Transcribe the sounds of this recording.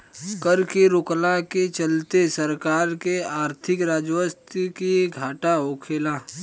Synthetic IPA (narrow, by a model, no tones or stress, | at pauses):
kɐɾkeɾʊklaket͡ʃɐlt̪esɐɾkaːɾkeaːɾt̪ʰɪkɾaːd͡ʒwəst̪kiɡʱaːʈaoːkʰeːlaː